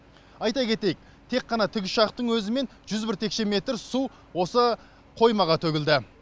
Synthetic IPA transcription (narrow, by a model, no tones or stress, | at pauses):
ɑjt̪ɑkʲʰe̞t̪e̞jɪk̚ | t̪ʰe̞qːɑnɑt̪ʰʏɡʲɪʃɑqt̪əɴwɵzɪme̞nʒʏzbɪɾt̪ʰe̞kʃe̞me̞t̪ɾsu | wo̞sə | qʰo̞jmɑʁɑt̪ʰɵɡʲɪld̪ɪ